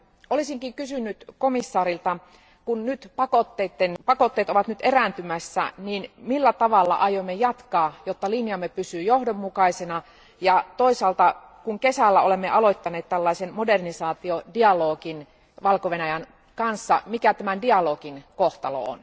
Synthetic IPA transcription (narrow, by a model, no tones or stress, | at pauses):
olisiŋkikysynːyt̪komisːɑːɾilt̪ɑ | kunnyt̪pɑkot̪ːeːt̪ːenpɑkot̪ːeːt̪oʋɑt̪nyt̪erænt̪ymæsːæ̰niːnmilːæt̪ɑʋɑlːɑ̰ʔɑjoimːejɑt̪kɑːjot̪ːɑlinjɑmːepysyːjohdomːukɑisenɑ | jɑt̪oisɑːlt̪ɑ | kuŋkesælːæolemːeʔɑloit̪ːɑneːt̪t̪ælːɑisenmodernisɑːt̪iodiɑloːkin | ʋɑlkoʋenæjæn | kɑnsːɑmikæt̪æmændiɑloːkinkoht̪ɑlo̰o̰n